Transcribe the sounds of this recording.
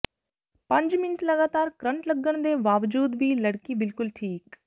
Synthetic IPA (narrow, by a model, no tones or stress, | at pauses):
pɐ̃ɲd͡ʒmɪnʈlɐɡaːt̪aːɾkɾɐ̃ɳʈləɡəɽ̃d̪eːʋaːʋd͡ʒuːd̪ʋilɐɽkibɪlkʊlʈʰiːk